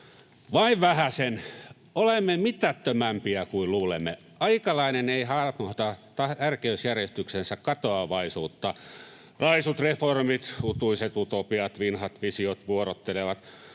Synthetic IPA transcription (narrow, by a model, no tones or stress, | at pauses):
ʋɑiʋʋæhæsen | olemːemit̪æt̪ːømæmpiækuilluːlḛmːḛ | ɑikɑlɑineneihɑrmoht̪ɑt̪ɑt̪ærkeysjærjest̪yksensækkɑt̪oɑʋɑisuːt̪ːɑ | rɑisut̪reformit̪ut̪uiset̪ut̪opiɑt̪ʋinhɑt̪ʋisiot̪ʋuoɾot̪ːeleʋɑt̪